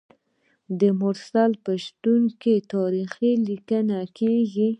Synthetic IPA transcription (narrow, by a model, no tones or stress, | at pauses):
d̪əmʊɾsalpəʃt̪uŋket̪ɑɾixilikənakeɡi